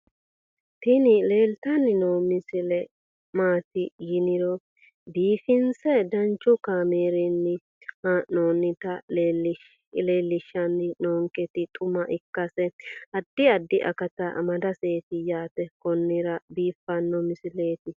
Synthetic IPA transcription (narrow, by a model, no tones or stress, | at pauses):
t̪ɪnɪle̞ːlt̪ɐnːɪnoːmɪsɪlɛ | maːt̪ɪjɪnɪɾɔ | biːfɪnsɛd̪ɐnt͡ʃːɔkaːmeːɾɛnːɪ | hanːoːnːɪt̪ɐlelɪ | leːlːɪʃːɐnːɪnoːŋkʼɛt̪ɪt̪ʼʊmɐʔɪkːɐsɛɐd̪ːɪɐd̪ːɪʔɐ̰kɐt̪ɐ̰mɐd̪ɐseːt̪ɪjaːt̪ɛkɔnːɪɾɐbiːfːɐnːɔmɪsɪleːt̪ɪ